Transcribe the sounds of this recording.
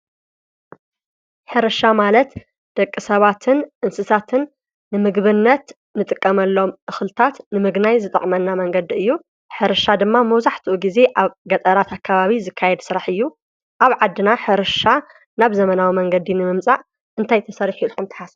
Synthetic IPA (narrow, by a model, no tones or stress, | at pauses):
ħɨɾɨʃamalɐt̪ | d̪̥ɐkʼːɨsɐβat̪ʰɨnʔɨnsɨsat̪ʰɨnː | ɨmɨɡβɨnːɐt̪ | nɨt̪ʼɨkʼːɐmɐlːo̞mʔɨxlɨt̪ʰat̪nɨmɨɡnajzɨt̪ʼɐ̰χʼmɐnːamɐŋɡɐd̪iɨjːu | ħɨɾɨʃad̪ɨmːamɐwzaħt̪ʰɨʔuɡize̞ʔaβɡɐt̪ʼɐɾat̪akʰːaβaβizɨkʰːajɛd̪sɨɾaħɨjːu | ʔaβʕad̪ːɨnaħɨɾɨʃa | naβzɐmɐnawimɐŋɡɐd̪inɨmɨmt͡sʼaʔ | ʔɨnt̪ʰajt̪ʰɐsɐɾħilxumt̪ʰɨ̥ħas